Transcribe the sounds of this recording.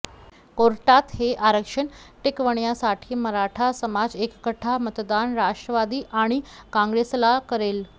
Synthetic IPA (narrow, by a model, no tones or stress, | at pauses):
koɾʈat̪heʔaɾəkʂəɳʈikʋəɳjasaʈʰiːməɾaʈʰasəmad͡zekkəʈʰamət̪d̪anɾaʂʈɾəʋad̪iːʔaɽ̃ikãŋɡɾeslakəɾel